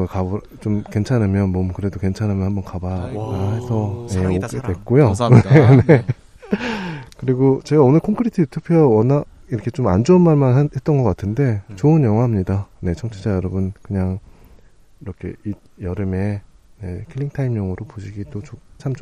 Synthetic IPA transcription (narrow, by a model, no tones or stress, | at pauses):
ɯkab | t͡ɕomke̞nt͡ɕʰanamjʌnmʌmkɯɾe̞doke̞nt͡ɕʰanamjʌnhambʌnkabaɦe̞sʰʌjeoɡedwe̞k̚k͈ojonene | kɯɾiɡot͡ɕe̞ɡaonɯɭkʰoŋkʰɯɾitʰɯjutʰupʰiawʌna | iɾʌkʰet͡ɕoma̰nd͡ʑoʌnmaɭmanhe̞t̚t͈ʌnɡʌk͈atʰɯnde̞t͡ɕoɯnjʌŋɦwaɦamɲidane̞t͡ɕʰʌŋt͡ɕʰed͡ʑajʌɾʌbɯnkɯɲaŋ | iɾʌkʰe̞̰ijʌɾɯme̞ne̞kʰeʎːiŋtʰaimjʌŋɯɾopoɕʰiɡidot͡ɕot͡ɕʰam